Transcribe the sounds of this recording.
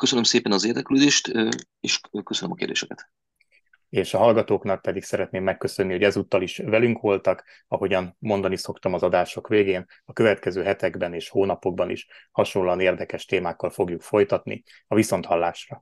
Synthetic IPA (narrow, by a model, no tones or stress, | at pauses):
køsønømseːpɛnɒzeːrd̪ɛkløːd̪eːʃt̪ː | eːʃkøsønømɒkḛːrd̪eːʃɛkɛt̪ | eːʃɒɦɒlɡɒt̪oːknɒk̚pɛd̪iksɛɾɛt̪neːmːɛkːø̞sønːiho̞ɟɛzuːt̪ːɒliʃvɛlyŋkʋo̞lt̪ɒk | ɒɦo̞ɟɒnmo̞nd̪ɒniso̞kt̪ɒmɒzɒd̪aːʃo̞kʋeːɡeːn | ɒkø̞vɛt̪kɛzøːɦɛt̪ɛɡbɛneːʃhoːnɒpo̞ɡ̚bɒnḭʃhɒʃo̞lɒneːrd̪ɛkɛʃt̪eːmaːkːɒlfo̞ɡjukfo̞jt̪ɒt̪nḭ | ɒviso̞nt̪hɒlːaːʃrɒ